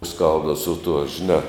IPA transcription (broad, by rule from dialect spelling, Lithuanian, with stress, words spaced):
ˈskɐlˠbdɐw sʊ tuɔ ʒʲɪˈnɑː